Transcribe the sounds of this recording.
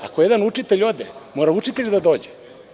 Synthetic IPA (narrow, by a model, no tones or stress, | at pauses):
a̰kojed̪anut͡ʂit̪eʎʲo̞d̪ḛmoɾaut͡ʂit̪eʎd̪ad̪o̞ːd͡ʑe